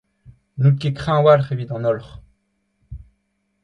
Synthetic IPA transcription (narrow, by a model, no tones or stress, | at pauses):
nukekχɛ̃walχevit̪ɑ̃nɔlχ